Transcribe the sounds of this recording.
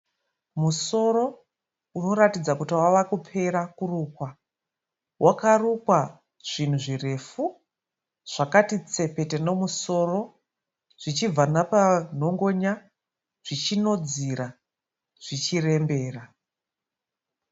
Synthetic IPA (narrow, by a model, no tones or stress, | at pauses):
muso̞ɾo̞ | uno̞ratid͡zakutiwaʋakupʰe̞ɾakurukwa | wʔakarukwa | ʐ̥in̤uʐire̞fu | ʐ̥akatit͡se̞pe̞te̞no̞muso̞ro̞ | ʐ̥it͡ʃib͡vanapan̤o̞ŋɡo̞ɲa | ʐ̥it͡ʃino̞d͡ziɾa | ʐ̥it͡ʃire̞mbe̞ːra